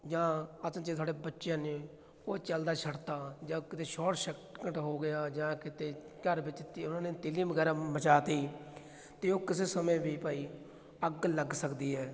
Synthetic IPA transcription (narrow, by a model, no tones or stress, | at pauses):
d͡ʒãːət͡ʃet̪ʰaːɽɖeːbətːʃjãːneː | oːt͡ʃəld̪aːt͡ʃʰəɽt̪aːd͡ʒãːkɪt̪eːʃɔːʈʃəkəʈɦoːɡɪjaːd͡ʒãːkɪt̪eː | kəɾbɪt͡ʃt̪iːʊnãːneːt̪ɪliːbəɡɛːɾaːmət͡ʃaːt̪iː | t̪eːoːkɪseːsəmẽːbiːpəːiː | əɡləɡsəkd̪iːɦɛː